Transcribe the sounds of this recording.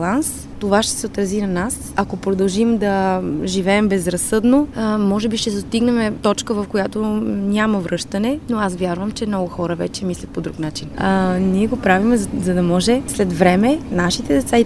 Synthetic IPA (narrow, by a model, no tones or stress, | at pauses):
lˠans | t̪ovaʃt̪ɛ̥sɛot̪ɾɐzinɐnas | ɐkopɾod̪ɐlˠʒimd̪ɐʒivɛːmbɛzɾɐsːɤd̪nomɔʒɛbiʃt̪ɛsst̪iɡnɛmɛt̪ɔt͡ʃkəvɐfkojat̪onʲamɐvɾɤʃt̪ɐnɛnoasvjaɾvəmt͡ʃɛmnɔɡʊxɔɾəvɛt͡ʃɛmislʲɐt̪pod̪ɾuknat͡ʃinəniɛɡopɾavimɛzɐd̪ɐmɔʒɛslɛt̪vɾɛmɛnaʃit̪ɛd̪ɛt̪sai